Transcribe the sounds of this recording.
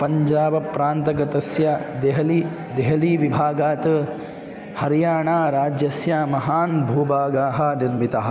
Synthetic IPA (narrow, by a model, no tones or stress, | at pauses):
pɐɲd͡ʒaːbɐpɾaːnt̪ɐɡɐt̪ɐsjɐd̪eɦɐli | d̪eɦɐliːʋibʱaːɡaːt̪ɐ | hɐɾjaːɳaːɾaːd͡ʒjɐsjamɐɦaːnbʱuːbaːɡaːɦɐ̆niɾmit̪ɐɦɐ̆